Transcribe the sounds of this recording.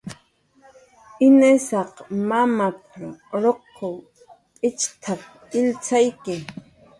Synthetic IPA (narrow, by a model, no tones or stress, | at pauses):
ɪnesɑqmamapɾoɾoqː | ow | pʼɪt͡ʃt̪ʰap̚ | ɪlt͡sajkɪ